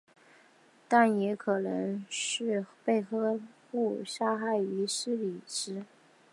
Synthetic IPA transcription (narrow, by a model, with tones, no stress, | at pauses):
t̪a˥˩njɛ˧˥kʰɤ˨˩nɤ˧˥ŋʂɻ̩˥˧pe˥˧ɪxɤ˥pu˥˩ʂa˥xa˥˩ɪi˧˥ʂɻ̩˥li˨˩ʈ͡ʂɻ̩˥